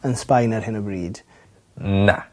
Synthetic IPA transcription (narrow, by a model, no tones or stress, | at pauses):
ənspajnəɾhɪnəbɹiːd̥ | na̰